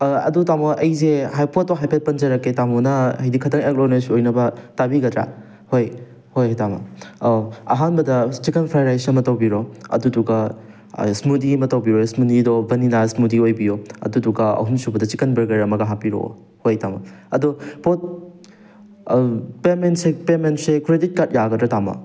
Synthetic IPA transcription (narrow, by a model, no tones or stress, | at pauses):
ɐ̰dutamoʔɐjzehajpʰotːoɦajpʰet̚pɐnd͡ʒɐɾɐkːetamɔnɐɐjdikʰɐtʰɐŋek̚lonesojnɐbɐtabiɡɐdɾa̰ | hoj | hojɦojtamɐ̰ | ɐ̰ɦanbɐdɐt͡ʃikɐnpʰɾajɾajsɐmɐtɐwbiɾoɐ̰duduɡɐ | smudimɐtɐwbiɾosmudidɔbɐninasmudiojbijoɐ̰duduɡɐɐ̰ɦumsubɐdɐt͡ʃikɐnbɐɾɡɐɾɐmɐɡɐɦapiɾo̰ | hojtamɐ̰ɐdupot̚ | pementsepementsekɾedit̚kɐt̚jaɡɐdɾɐtamɐ̰